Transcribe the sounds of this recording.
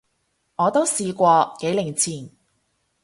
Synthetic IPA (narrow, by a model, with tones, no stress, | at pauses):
ŋɔː˨˧t̪o˥wsiː˧kʷɔː˧ke˨˥jlɪ˨˩ŋt͡sʰiː˨˩n